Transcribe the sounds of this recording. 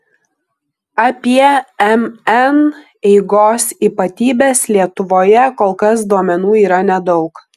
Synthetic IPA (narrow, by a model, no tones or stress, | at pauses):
ɑpʲiɛɛmɛn | ɛɪɡoːsiːpɐt̪ʲiːbʲeːslʲiɛt̪ʊʋoːjɛkoːlˠkɐs̬d̪uɔmʲɛnuːiːɾɐnʲɛd̪ɒʊk